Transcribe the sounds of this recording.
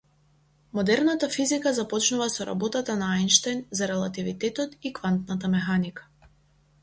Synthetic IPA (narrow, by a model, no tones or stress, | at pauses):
mɔd̪ɛɾnat̪afizikazapɔt͡ʃnuvasɔɾa̰bɔt̪at̪anaajnʃt̪ajnzaɾɛlˠat̪ivit̪ɛt̪ɔt̪ikvant̪nat̪amɛxanikḁ